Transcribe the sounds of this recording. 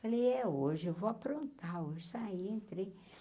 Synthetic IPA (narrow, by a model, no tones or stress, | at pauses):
faleɛoʒɪewvoapɾõnt̪aoʒɪsaiẽnt̪ɾe